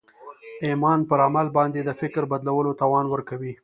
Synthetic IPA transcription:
emɑnpəɾamalbɑnd̪ed̪əfɪkɾbad̪lawəlot̪ɑwɑnwəɾkawi

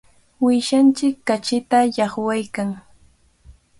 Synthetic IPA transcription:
wɪʃant͡ʃɪkːat͡ʃɪt̪ajɑχwajkaŋ

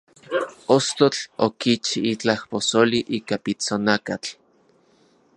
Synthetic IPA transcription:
ost̪ot͡ɬokit͡ʃiit͡ɬahposoliʔiːkapit͡sonakat͡ɬ

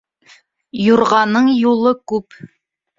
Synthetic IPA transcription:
juɾʁɑnɤɴjulˠɤkʉp

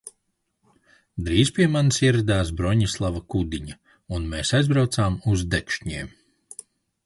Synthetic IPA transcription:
d̪ɾiːzpʲiɛmansiɛɾad̪aːs̬bɾɔɲislˠavakud̪iɲa | unmeːsajzbɾawt̪aːmuzd̪ɛkʃɲḭːm

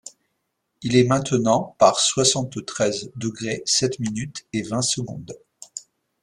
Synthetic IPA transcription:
ilɛmɛ̃t̪ənɑ̃paʁswasɑ̃t̪t̪χɛzd̪əɡʁesɛt̪minyt̪evɛ̃səɡɔ̰̃d̪

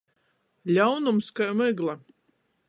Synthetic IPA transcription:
lʲawnumskajmɛɡlˠa

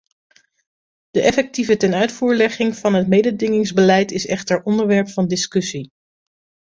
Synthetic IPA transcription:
d̥əʔɛfɛk̚tivətɛnœɥtfuːɹlɛχɪŋv̥ɑnɦətmejdədɪŋɪŋzbəlɛjtɪsɛ̰χtəɹʔɔndəɹʋɛɹpfɑndɪskɵsi

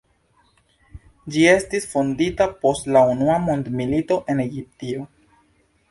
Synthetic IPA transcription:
d͡ʒie̞stisfonditapo̞stlaunuamondmilito̞ʔe̞ne̞ɡip̚tio̞

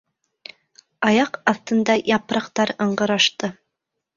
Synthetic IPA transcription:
ɑjɑqɑθt̪ɤ̆nd̪ɑjɑpɾɑqt̪ɑɾɤ̆ɴɢɤ̆ɾɑʃt̪ɤ

